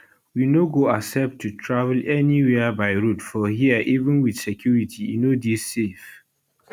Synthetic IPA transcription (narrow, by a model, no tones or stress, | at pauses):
winoɡoasɛp̚tʰːutʰɹavəlɛniwɛəbaɪɹutfɔɦiəʔivə̃nwid̥sɛkʰjuɹitʰiḭnodisːef